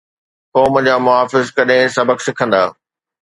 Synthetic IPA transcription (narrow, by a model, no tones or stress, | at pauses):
kɔːməd͡ʑaːmʊɦaːfɪzkɐɗɪ̃sɐbəksɪkʰə̃nd̪aː